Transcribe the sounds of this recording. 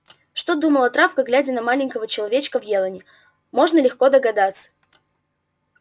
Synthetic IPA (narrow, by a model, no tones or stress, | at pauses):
ʂt̪o̞d̪uməlˠɐt̪ɾafkəɡlʲædʲɪnɐmalʲɪnʲkəvət͡ɕɪlˠɐvʲet͡ɕkəvjelˠənʲɪ | mo̞ʐnəlʲɪxko̞d̪əɡɐd̪at̪sːə̥